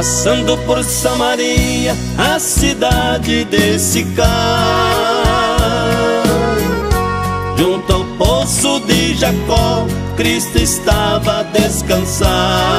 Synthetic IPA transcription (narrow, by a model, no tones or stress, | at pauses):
asɐ̃nd̪ʊpoɾsɐ̃maɾiɐ | ɐsid̪ad͡ʒɪd̪esɪka | ʒũnt̪ʊawposʊd̪ɪʒakɔ̃kɾist̪ʊɪst̪avɐd̪eskɐ̃sa